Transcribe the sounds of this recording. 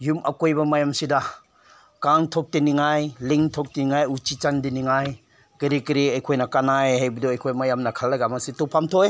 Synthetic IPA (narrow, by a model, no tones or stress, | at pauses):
jumʔɐ̰kojbɐmajamsida | kaŋtʰɔk̚tiniŋajliŋtʰɔk̚tiniŋajut͡ʃit͡ʃandiniŋaj | ɡiɾikiɾiajkʰojnɐkanajɦajbiduɐjkʰojmajamnɐkʰalːaɡamasitupʰamtʰoj